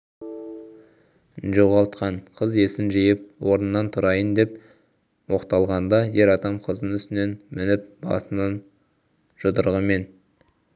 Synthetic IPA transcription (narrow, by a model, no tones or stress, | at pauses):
ʒoʁɑlˠt̪qɑɴqʰəze̞sɪnʒijɪp̚wo̞ɾnənːɑnt̪ʰʊɾɑjənd̪e̞p | wo̞qt̪ɑlˠʁɑnd̪ɑje̞ɾɑd̪ɑmqʰəzənʏst̪ɪne̞nmɪnɪp̚bɑ̰sənɑn | ʒ̥ʊd̪əɾʁəme̞n